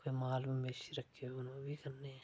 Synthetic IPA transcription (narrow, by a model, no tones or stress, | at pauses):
emaːlmemeːʃiɾɐkʰːeʊnobʱikɐɾne